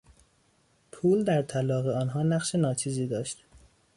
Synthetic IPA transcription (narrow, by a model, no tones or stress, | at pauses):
pʰuːld̪æɾt̪ʰælɒːɣeɒːnɦɒːnæɣʃe̞nɒːt͡ʃʰiːziːd̪ɒːʃt̪